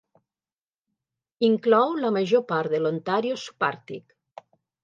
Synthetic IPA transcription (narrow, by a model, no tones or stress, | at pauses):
iŋklɔwləmaʒopaɾðelont̪aɾjospaɾt̪ik